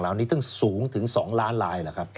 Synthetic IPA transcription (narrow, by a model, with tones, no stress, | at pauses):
ŋlaː˧˩wni˦˥t̪ɔ˥˩ŋsuː˩˦ŋt̪ʰɯ˨˩˦ŋsɔː˩˦ŋlaː˦˥nlaː˧˥jlaː˨˩kʰa˦˥p̚ʰ